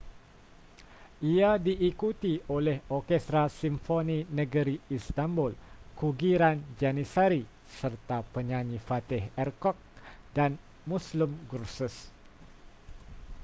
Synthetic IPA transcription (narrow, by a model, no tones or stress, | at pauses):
ʔiadiʔːkut̪iolɛhɔrkɛst̪ɾasimfoninə̃ɡəɾiːst̪ambʊlkuɡiɾand͡ʒanisaɾi | sərt̪apəɲãnĩfat̪ɪhɛrkɔk̚dan | muslʊmɡursəs